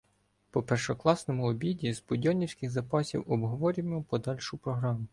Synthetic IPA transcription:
pɔpɛrʃɔklˠɑsnɔmʊɔbʲidʲizbʊdʲɔnʲiwsʲkɪxzɐpɑsʲḭwɔbɦɔʋɔɾʲiʋmpɔd̪ɑlʲʃʊpɾɔɦɾɑmʊ

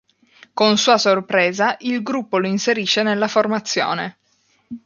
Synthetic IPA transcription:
konsuːasorpɾeːzaʔilɡɾupːoloinseɾiʃːenelːaformat̪sːjo̰ːne

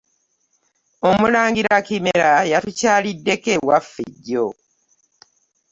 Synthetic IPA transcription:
o̞mulaːŋɡiɾakimeɾajatucaːlidːe̞kewafːḭɟːo

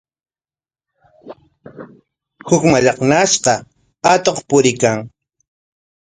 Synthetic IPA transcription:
hʊkmaʎɑχnaʃqɑ | at̪oχpʊɾɪkaŋ

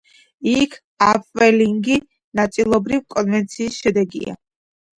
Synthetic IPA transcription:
ikʰ | apʼvɛliŋɡi | nat̪sʼilˠɔbɾivkʼɔnvɛnt̪sʰiːsʃɛd̪ɛɡḭa̰

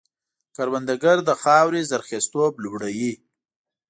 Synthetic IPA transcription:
kaɾwand̪aɡaɾd̪əxɑwɾizaɾxest̪oblubɽawi

